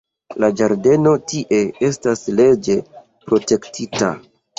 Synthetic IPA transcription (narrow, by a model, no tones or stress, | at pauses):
lad͡ʒaɾde̞no̞tiʔe̞e̞stasle̞d͡ʒe̞ | pɾo̞te̞ktʰita̰